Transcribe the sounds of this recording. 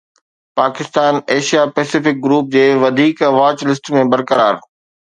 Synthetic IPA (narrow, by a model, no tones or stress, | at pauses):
paːkɪst̪aːneːʃijapɛːsɪfɪk̚ɡɾuːp̚d͡ʑeːʋɐd̪ʱiːkɐʋaːt͡ɕlɪsʈmẽbɐɾkəɾaːɾ